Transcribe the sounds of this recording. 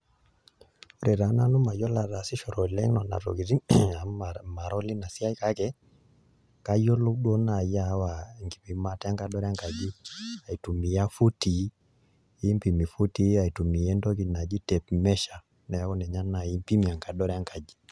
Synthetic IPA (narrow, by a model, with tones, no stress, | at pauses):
o˦ɾɛ˨ɾa˨˦na˦nu˦ma˨jɔ˦la˨ɾa˨si˦ʃɔ˨ɾɔ˨lɛ˦ŋnɔ˨na̰˨to̰˨ki˨ɾi˦a˨ma˨ɾɔ˦li˦na˨si˦a˦i˦ka˦kɛ˦ | ka˦jɔ˦lo˦ɗwɔ˦na˨ja˦wa˨ŋɡi˨pi˨ma˦tɛ˦a˦ŋka˨dɔ˦ɾɛ˦a˦ŋka˨d͡ʒi˦a˨i˨tu˨mi˨a˦fu˦ti˨˦ | i˦mpi˨mi˨fu˦ti˦a˨i˨tu˨mi˨ɛ˦ndɔ˦k̬i˨na˨d͡ʒi˦tɛ˨pmɛ˦ʃa˨ | nɛ˨a˦kɔ˦nɛ˨ɲa˦na˨i˦mpi˦mi˨a˨ŋka˨dɔ˦ɾɛ˦a˦ŋka˨d͡ʒi˨